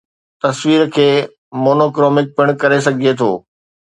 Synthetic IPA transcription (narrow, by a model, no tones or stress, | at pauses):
t̪ɐsʋiːɾkʰeː | moːnoːkɾoːmɪk̚pɪɽ̃kɐɾes̬ɐɡʱiet̪ʰo̰ː